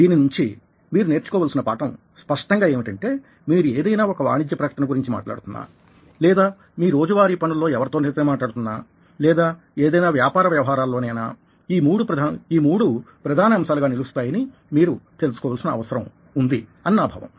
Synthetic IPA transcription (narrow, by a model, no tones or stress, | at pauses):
d̪iːninuɲt͡ʃi | miːɾune̞ːɾt͡ʃukɔːʋaːlsinɐpaːʈɐm | spɐʂʈɐŋɡaːje̞ːmiʈɐɳʈe̞ː | miːɾueːd̪ɐjnaːɔkɐʋa̰ːɳid͡ʒ̪jɐpɾɐkɐʈɐnɐɡuɾiɲt͡ʃima̰ːʈla̰ːɽut̪unːa̰ː | lɛːd̪aː | miːɾɾo̞ːd͡ʒuʋaːɾiːpɐnulːo̞ːɛʋɐɾt̪oːnet̪eːmaːʈlaːɽt̪unːaː | lɛːd̪aː | eːd̪ɐjnaːʋjaːpaːɾɐʋjɐʋɐɦaːɾaːlːoːneːna̰ː | iːmuːɽup̪ːiːmuːɽupɾɐd̪ʱaːnɐɐmsaːluɡaːnilust̪aːjɐni | miːɾut̪e̞lusu̥kɔːʋalsinɐɐ̰ʋɐsɐɾɐm | und̪iɐnːaːbʱa̰ːʋɐ̰m